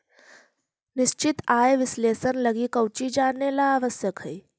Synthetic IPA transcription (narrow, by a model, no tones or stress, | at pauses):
nɪʃt͡ʃɪt̪aːeʋɪsleːsənlɐɡikəwt͡ʃid͡ʒaːnːelaaːʋəsjəkɦə